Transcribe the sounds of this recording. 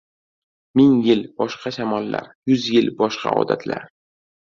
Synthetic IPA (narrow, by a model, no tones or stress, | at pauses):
mɪŋjɪlbɒʃqɑʃamɒlˠːa̰ɾjʊzjɪlbɒʃqɑ̰ɒ̰d̪a̰t̪ʰla̰ɾ